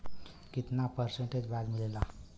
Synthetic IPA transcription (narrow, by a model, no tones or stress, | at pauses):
kit̪napəɾseɳʈed͡ʑʋalm̤ilela